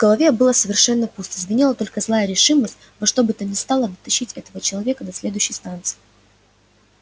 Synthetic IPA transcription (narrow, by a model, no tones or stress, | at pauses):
vɡəlˠɐvʲebɨlˠəsəvʲɪrʂɛnːəpust̪ɪzvʲɪnʲilˠət̪o̞lʲkəzlˠajəɾʲɪʂɨməsʲtʲ | vɐʂt̪o̞bɨt̪ənʲɪst̪alˠəd̪ət̪ɐɕːitʲɛt̪əvət͡ɕɪlˠɐvʲe̞kəd̪ɐsʲlʲe̞d̪ʊjɕːɪjst̪ant̪sɨ̥ɪ